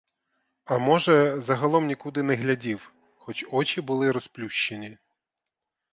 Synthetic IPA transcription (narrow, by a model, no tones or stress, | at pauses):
ɐmɔʒɛzɐɦɐlˠɔmnʲikud̪ɪnɛɦlʲɐdʲiw | xɔt͡ʃɔt͡ʃʲibʊlˠɪɾɔsplʲuʃt͡ʃenʲi